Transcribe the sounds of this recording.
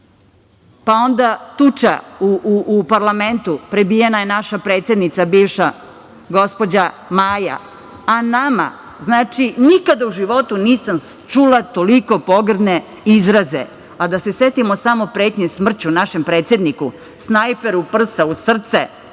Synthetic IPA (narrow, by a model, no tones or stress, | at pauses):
pao̞nd̪at̪ut͡ʃa̰uʔːpaɾlament̪upɾebijenajenaʃapɾe̞ːt̪sjed̪nit̪sabiːʋʃa | ɡo̞spo̞d͡ʑa | maːja̰ | anama̰ | znaːt͡ʃinikad̪auʒiʋo̞t̪uniːsam | t͡ʃulat̪oliko̞po̞ɡr̩d̪ne | izɾazḛ | ad̪aseset̪imosamopɾeːt̪ɲesmr̩t͡ɕunaʃempɾe̞ːt̪sjed̪niku | snajpeɾupr̩sausr̩t̪sɛ̰